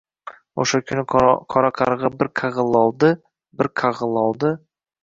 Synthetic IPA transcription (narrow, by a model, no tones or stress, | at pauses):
oʃakʲʰʊnɪqʰɒɾaqʰɑɾʁɑbɪɾqʰɑʁɨlˠɒlˠd̪ɪ | bɪɾqʰɑʁɨlˠɒlˠd̪ɪ